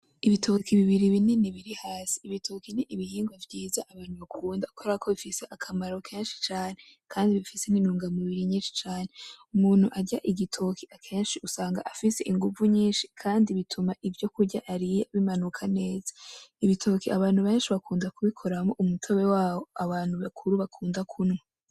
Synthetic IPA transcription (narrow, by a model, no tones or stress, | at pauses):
iβitʰo̞kiβiβiɾiβininiβiɾihaːsi̥ːβitʰokiniʔiβihiːŋɡwavjiːzaʔaβaːn̥huβakʰuːndakʰoɾakʰo̞βifiseʔakʰamaɾo̞kʰe̞ːnʃi̥t͡ʃaːne̞kʰaːndiβifiseninuːŋɡamiβiɾiɲiːnʃi̥t͡ʃaːne̞umuːn̥huʔaɟaʔiɡitʰo̞kʰiʔakʰe̞ːnʃiʔusaːŋɡaʔafise̞ʔiŋɡuvuɲiːnʃi̥kʰaːndiβitʰumaʔivjo̞kuɾɟaʔaɾijeaβimanukʰane̞ːzḁiβitʰo̞kiʔaβaːnhuβeːnʃiβakuːndakuβikʰo̞ɾamoʔumutʰoβe̞waːβoaβaːnhuβakʰuɾuβakʰuːndakʰunŋa